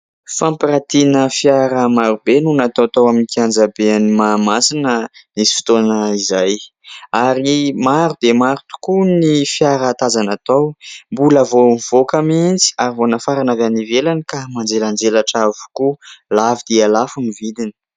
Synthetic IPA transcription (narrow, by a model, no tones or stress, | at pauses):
fãmpiɾat̪inəfjaɾamaɾubenunat̪owat̪awaminikiand͡zabeanimamasinənisi̥fi̥t̪onəizaj | aɾimaɾud̪emaɾut̪u̥kunifjaɾat̪azanat̪awmbulavoivokamint͡si̥aɾivonafaɾanavanivelanikamand͡zeland͡zelaʈ͡ʂavu̥kulavid̪̥ealafunivid̪ini̥